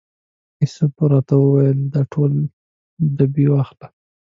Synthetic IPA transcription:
isopɾɑt̪awəwajəld̪ɑʈʰol | d̪abiwaxla

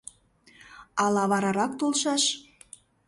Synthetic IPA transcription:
ɑlˠɑβɑɾɑɾɑk̚t̪olˠʃɑʃ

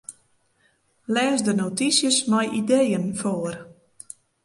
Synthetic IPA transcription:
lɛːsdənotisjəsnɔjʔidejənfoər

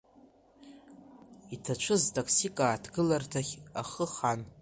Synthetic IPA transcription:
itʰat͡ʃʷʰɨztʼakʰsikʼaːtʰɡɨlartʰaχʲaχəχan

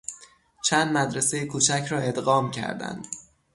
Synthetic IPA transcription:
t͡ʃʰænd̪mæd̪ɾese̞jekʰuːt͡ʃʰæcʰɾɒːe̞d̪ɣɒːmcʰæ̰ɾd̪æ̰nd̪̥

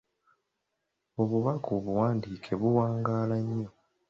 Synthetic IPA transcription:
o̞βuβakuβuwaːndiːkʰe̞βuwaːŋɡaːlaɲːo̞

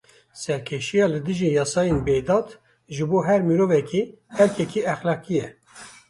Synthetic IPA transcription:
sɛɾkʰeʃijɑːlɨd̪ɨʒijɑːsɑːjenbejd̪ɑːt̪ | ʒɨboːɦɛɾmiɾoːvɛkʰi | hɛɾkʰɛkʰiɛxlɑːkijɛ

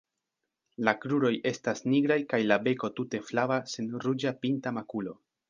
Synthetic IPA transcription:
lakɾuɾo̞je̞stasniɡɾajkajlabe̞ko̞tute̞flavasenɾud͡ʒapintamakulo̞

